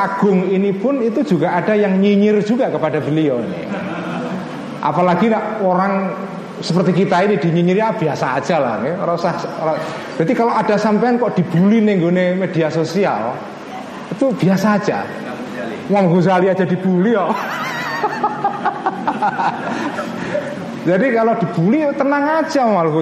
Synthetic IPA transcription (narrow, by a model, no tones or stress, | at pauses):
ʔaɡ̥ʊŋinipʊnit̪u̥d͡ʒuɡaʔad̥ajaŋɲiɲɪr̥d͡ʒ̥uɡakəpadabəliɔnḛ | ʔa̰palaɡ̥ilaʔoɾaŋ | səpərt̪ikit̪ainid̥i̤ɲiɲiɾjab̥iasḁːd͡ʒ̥ala̰hneɾasasɾa | d̥at̪ikaloʔad̥a̤sampeankɔʔd̥i̤b̥ulineŋɡonemed̥iasosia̰l | it̪ub̥iasaːd̥d͡ʒ̥a̰ | waŋkus̬aliad̥d͡ʒ̥a̤d̥i̤b̥uliɔ | d͡ʒadikalod̥i̤b̥ulit̪ənaŋḁd͡ʒʒ̥amaluku